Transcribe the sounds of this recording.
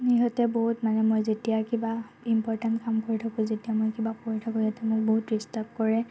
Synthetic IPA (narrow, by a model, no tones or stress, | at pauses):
niɦɔtɛboɦutmanɛmojzetijakiba | impɔɹtantkamkoɹitʰakũzetijamojkibakoɹitʰakɔ̃jatamokboɦutɹistap̚kɔɹɛ